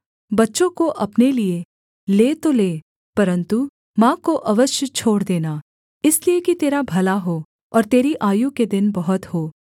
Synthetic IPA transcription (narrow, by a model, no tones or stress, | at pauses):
bɐtːʃõkoʔɐpnelie | leːt̪oleː | pɐɾə̃nt̪u | mãːkoʔɐʋəʃjət͡ʃʰoːɽd̪eːnaː | ɪsliekit̪eːɾabʱɐlaɦoː | ɔːɾt̪eːɾiʔaːjũked̪ɪnbɐɦʊt̪hoː